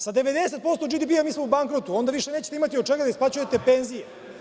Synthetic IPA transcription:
sad̪e̞ʋed̪ese̞t̪̚po̞st̪od͡ʒid̪ipiomismoubaŋkɾot̪uo̞nd̪aʋiʃeneːt͡ɕe̥t̪eimat̪iod̪̚t͡ʃeɡad̪aisplat͡ɕujet̪e̞pe̞nzije

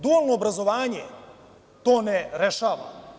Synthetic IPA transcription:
d̪uolˠnoːbɾazoʋaːɲe | t̪oːnɛɾeʃaːʋa̰

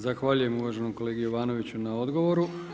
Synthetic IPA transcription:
zaxʋaːʎuje̞muʋaːʒe̞nomko̞le̞ːɡijoʋaːno̞ʋit͡ɕunao̞d̪ɡo̞ʋo̞ɾu

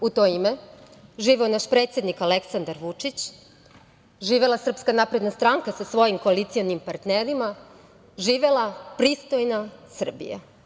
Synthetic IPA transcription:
ut̪o̞ime | ʒiːʋeonaʃpɾeːt̪sjed̪nikaleksand̪aɾʋut͡ʂit͡ɕ | ʒiːʋelˠasr̩pskanapɾed̪nast̪ɾaːŋkasasʋo̞jimko̞alit̪sijonimpaɾt̪neɾima | ʒiːʋe̞lˠapɾiːst̪o̞jnasr̩bḭja̰

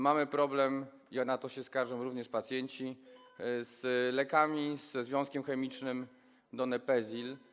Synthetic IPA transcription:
mamɘpɾɔblɛm | inat̪ɔɕɛskaɾʐɔmɾuvɲɛʂpat̪sʲjɛɲt͡ɕi | z̥lɛkamʲiz̥zvʲjɔ̃w̃skʲɛmxɛmʲit͡ʂnɘm | d̪ɔnɛpɛzʲil

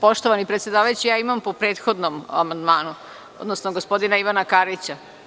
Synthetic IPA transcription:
po̞ʃt̪oʋanipɾet̪sʲjed̪aːʋajut͡ɕijaːimampopɾeːt̪xo̞d̪noma̰mand̪maːnu | o̰d̪nosnoɡospo̞d̪inaiʋanakaɾit͡ɕa

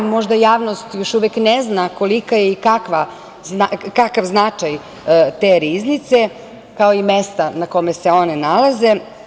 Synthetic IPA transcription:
mo̞ʒd̪ajaːʋno̞st̪jo̞ʃuʋekneznako̞likajeikakʋa | znakakaʋznat͡ʃaj | t̪eɾiznit̪se | kao̞imest̪anako̞mese̞o̞nenalaze

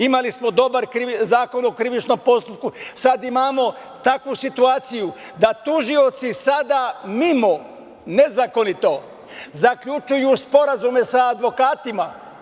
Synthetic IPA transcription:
imalismo̞d̪o̞baɾkɾizaːko̞nokɾiʋit͡ʃno̞mpo̞st̪up̚kusad̪imaːmo̞ | t̪akʋusit̪uaːt̪sijud̪at̪uʒio̞t̪sisad̪amimo̞ | ne̞zako̞nit̪o̞ | zakʎut͡ʃujuspo̞ɾazume̞saːd̪ʋo̞kaːt̪ima

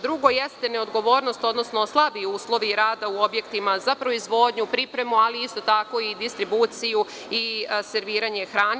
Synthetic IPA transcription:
d̪ɾuɡo̞jest̪e̞ne̞o̞d̪ɡo̞ʋo̞ːɾno̞st̪o̞d̪no̞sno̞slˠabiuːslˠo̞ʋiɾaːd̪auo̞bje̞kt̪imazapɾo̞izʋo̞d̪ɲupɾipɾe̞mualiist̪o̞t̪ako̞id̪ist̪ɾibut̪siju | ise̞ɾʋiːɾaɲe̞xɾaːn

